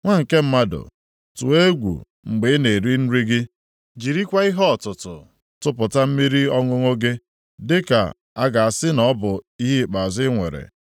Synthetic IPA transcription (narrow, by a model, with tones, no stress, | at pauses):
ŋʷa˦ŋ̩˨ke˦m̩˦ma˦dʊ̰˨ | tʊ̰˨e˦ɡʷṵ˨ | ŋ͡m̩˨ɡ͡be˨˦ne˨ɾi˦n̩˦ɾi˦ɡɪ˦ | d͡ʒi˨ɾi˦kʷa˦i˦ɦɔ˦ɔ˨tʊ˨tʊ˨ | tʊ˦pʊ˨ta˦m̩˦mi˦ɾi˦ɔ˦ŋʊ˦ŋo˦ɡe˦ | dɪ˦ka̰˨ | a˦ɡa˨a˨sɪ˦nɔ˦bʊ˨i˦ɦi˦˨k͡pa˨a˨zɪ˦ŋʷe˨ɾḛ˨